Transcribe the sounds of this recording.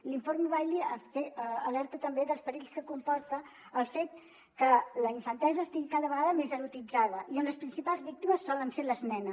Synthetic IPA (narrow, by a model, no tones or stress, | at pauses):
liɱfoɾmuβajlifeːlɛɾt̪ət̪əmbeðəlˠspəɾiʎskəkumpɔɾt̪əː | lˠfet̪ | kələiɱfənt̪ɛzəːst̪iɣikaðəβəɣaðəmezəɾut̪id͡zaðəʔionləspɾinsipalˠzβik̚t̪iməsːɔlənseləznɛnə